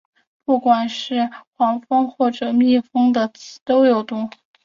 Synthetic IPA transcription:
pu˥˩kwa˨˩nʂɻ̩˥˩xwɑ˧˥ŋfɤ˥ŋxwɔ˥˩ʈ͡ʂɤ˨˩mi˥˩fɤ˥ŋd̪ə˨t͡ɕʰi˧˥t̪o˥ʊjo˨˩ʊt̪ʊ˥˩ŋ

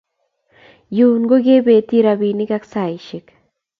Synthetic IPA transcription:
juː˨nɡo˦ɡe˦be˨t̪i˦ɾabi˨ni˦ka˦ksa˨jʃɪ˨k

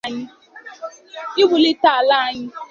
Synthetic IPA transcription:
ɲɪ˦ | ɪ˦wʊ˨lɪ˦ta˨la˦a˦˨ɲɪ˦

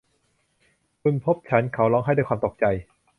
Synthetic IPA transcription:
kʰu˧npʰo˦˥p̚t͡ɕʰa˦˥nkʰa˦˥wlɔː˧ŋɦa˥˩jdaː˥˩jkʰwaː˧mt̪o˨˩k̚t͡ɕa˧j

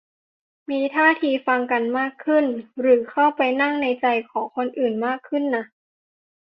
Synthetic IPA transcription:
miː˧t̪ʰaː˥˩t̪ʰiː˧fa˧ŋka˧nmaː˥˩kʰːɯ˥˩nɾɯː˩˦kʰa˥˩wpa˧jna˥˩ŋna˧jt͡ɕa˧jkʰɔː˩˦ŋkʰo˧nʔɯː˨˩nmaː˥˩kʰːɯ˥˩nːa˦˥ʔ

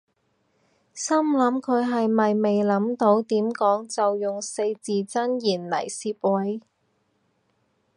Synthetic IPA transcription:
sɐ˥mlɐ˨˧˥mkʰɵ˨˧ɥɦɐ˨jmɐ˨jme˨jlɐ˨˥mt̪o˨˥wt̪iː˨˥mkɔː˨˥ŋt͡sɐ˨wjʊ˨˩ŋse˧jt͡siː˨t͡sɐ˥njiː˨˩nlɐ̰˨˩jsiː˧p̚wɐ˨˥j

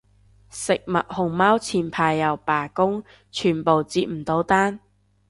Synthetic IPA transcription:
sɪ˨k̚mɐ˨t̚hʊ˨ŋmaː˥wt͡sʰiː˨npʰaː˧jːɐ˨˩wpaː˨˩kʊ˥ŋ | t͡ʃʰyː˨˩npo˨wt͡siː˧t̚m̩˨˩t̪o˨˧˥wt̪aː˥n

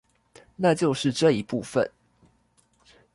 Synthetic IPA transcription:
na˥˨t͡ɕjo˥˧ʊʂɻ̩˥˨ʈ͡ʂɤ˥˨˩i˧˥pu˥˨fə̰˨n

